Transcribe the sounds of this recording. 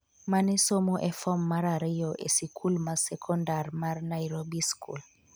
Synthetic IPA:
manisomɔʔɛfɔmːaɾaɾijoʔḛsikʰulmasekʰɔndaɾmaɾnaiɾobiskʰṵl

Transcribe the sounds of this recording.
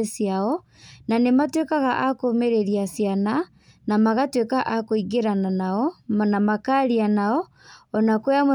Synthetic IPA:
sjaɔ | nanematwekaɣaʔakomeɾeɾiasjana | namaɣatwekaʔakoiɣeɾananaɔmnamakaɾianaɔ | ɔnakojamo

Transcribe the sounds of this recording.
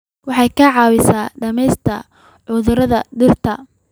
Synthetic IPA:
wɑħɑjkʰɐʕɑːwɪsaːɖɐmɛjst̪ʰɐ | ʕʊðʊɾɐðɐɖɪrt̪ʰɐ

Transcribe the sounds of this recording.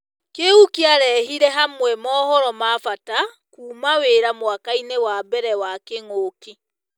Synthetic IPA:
keukiaɾɛhiɾɛɦamwɛmɔːhɔɾɔmafata | kuːmaweɾamwakainewabɛɾɛwakeŋoki

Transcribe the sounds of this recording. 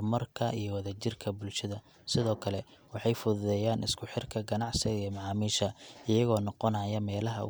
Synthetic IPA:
mɐrkʰɐʔḭjɞwɐðɐt͡ʃɪrkʰɐbʊlʃɐðɐ | sɪðɔːkʰɐlɛ | wɑħɑjfʊðʊðɛːjaːnɪskʰʊħɪrkʰɐɡɐnɑʕsɪɣɐijmɑʕɑːmiːʃɐɪjɐɣɔːnɔqɔnɐːjɐmɛːlɐɦɐ̰ʊ̰

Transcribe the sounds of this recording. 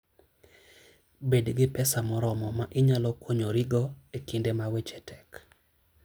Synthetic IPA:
bedɡɪpɛsamɔɾɔmɔmaʔɪɲalɔkʰoɲoɾiɡɔekindemawet͡ʃɛtʰɛk

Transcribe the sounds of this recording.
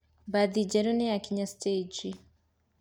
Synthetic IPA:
badid͡ʒɛɾuniakiɲasted͡ʒi

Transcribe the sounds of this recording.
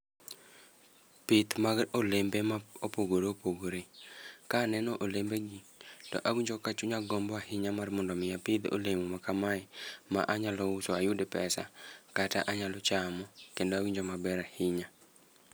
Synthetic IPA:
pɪt̪maɡolembemaopoɡoɾeopoɡoɾekaːnɛnɔʔolembeɡitɔ̰ʔawiɲd͡ʒokat͡ʃuɲaɡɔmbɔahɪɲamarmɔndɔmɪjapɪd̪o̰lemomakamaɛma̰ʔaɲalɔusoajudepɛsa̰kata̰ʔaɲalɔt͡ʃamɔkendoawiɲd͡ʒomabɛɾahɪɲa

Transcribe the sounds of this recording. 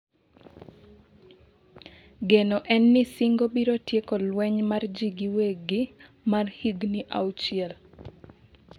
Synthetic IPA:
ɡenɔʔɛnːɪsiŋɡobiɾotjekɔlwɛɲmard͡ʒiɡiweɡɪ | marhiɡniʔa̰wt͡ʃɪɛl

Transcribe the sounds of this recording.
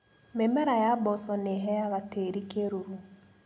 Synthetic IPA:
memɛɾajabɔsɔneɦɛjaɣateɾikeɾoɾu

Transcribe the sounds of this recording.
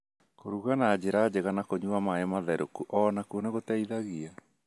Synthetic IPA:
koɾuɣanad͡ʑeɾad͡ʑeɣanakoɲuamaemaðɛɾokuʔɔnakuoneɣotɛiðaɣia

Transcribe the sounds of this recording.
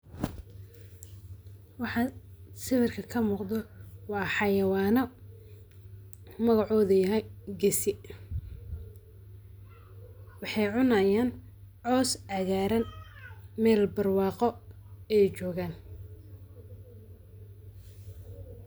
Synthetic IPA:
wɑħɑsɪβɪrkʰɐkʰɐmuːqd̪ɔwɑːħɑjɐwɑːnɔ | mɐɣɑʕɔːðɐjɐɦɛjɡɛsɪ | wɑħɑjʕʊnɐjaːn | ʕɔːsaɣaːɾɐn | mɛːlbɐrwɑːqɔɛːt͡ʃɔːɣaːn

